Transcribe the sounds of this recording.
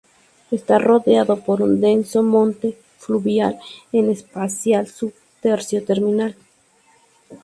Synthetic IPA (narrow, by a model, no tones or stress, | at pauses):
est̪aroðeaðo̞poɾund̪e̞nsomõ̞nt̪e | fluβjalenespasjalsu | t̪eɾsjot̪eɾminal